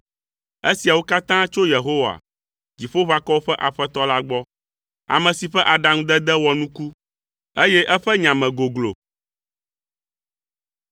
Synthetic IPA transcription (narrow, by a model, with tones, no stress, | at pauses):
e˦si˨a˨wo˦ka˦t̪ã˦t͡ʃo˦je˨ɦo˦wa̰˨ | d͡ʑi˨ɸo˦βa˦kɔ˦wo˦ɸɛ˦ʔa˨ɸɛ˦t̪ɔ˦la˦ɡ͡bɔ˦ | a̰˨mɛ̃˨si˨ɸɛ˦ʔa˨ɖa˨ŋ˦d̪ɛ˦d̪ɛ˦wɔ˨nũ˦ku˦ | e˦jɛ˦ʔɛ˦ɸɛ˦ɲã˨mɛ̃˨ɡo˨ɡlo̰˨